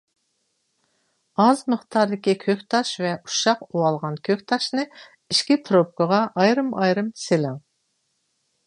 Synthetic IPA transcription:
ɑzməχt̪ʰɑɾd̪ɪkʲikʲʰøkʲt̪ʰɑʃvɛʔu̥ʃɑquɑlˠʁɑnkʲʰøkʲt̪ʰɑʃnɨ | iʃkʲipʰɾop̚kəʁɑʔɑjɾɨmɑjɾɨmselɪŋ

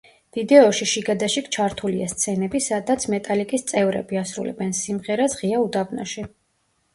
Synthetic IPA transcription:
v̥id̪ɛɔʃiʃiɡad̪aʃikt͡ʃʰaɾt̪ʰuliast̪sʰɛnɛbisad̪at̪sʰmɛt̪ʼalikʼist̪sʼɛvɾɛ̰biasɾṵlɛ̰bɛnsimʁɛɾasʁiaud̪abna̰ʃi

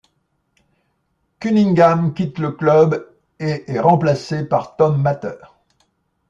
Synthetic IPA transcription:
kʲyniŋɡamkʲit̪ləklœb | eʔɛʁɑ̃plasepaʁt̪ɔmːat̪œːʁ

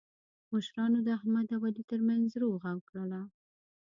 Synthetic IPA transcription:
məʃɾɑnod̪əahmad̪awalit̪əɾmanzɾoɣakɽəla

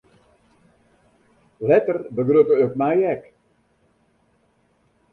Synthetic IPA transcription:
lɛtərbəɡrøtəøkmɛjɛk

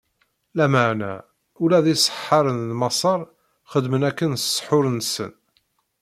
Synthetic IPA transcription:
læməʕnæ̰ | ʊlæðisˤə̥ħːɑɾˤənlmɑsˤɑɾˤ | χəd̪mənækːənssˤħʊɾənsə̰n

